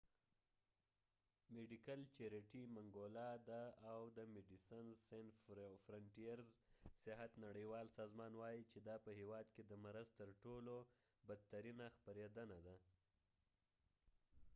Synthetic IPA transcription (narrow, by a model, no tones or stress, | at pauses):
meɖikalt͡ʃeɾeʈimaŋɡolɑd̪aːwd̪əmeɖisansenfɾaɳʈijaɾzsɪɦat̪naɽəjwɑlsɑzmɑnwɑjit͡ʃed̪ɑpəhewɑd̪ked̪əmaɾazt̪əɾʈolo | bad̪̚t̪aɾinaxpaɾed̪ənad̪a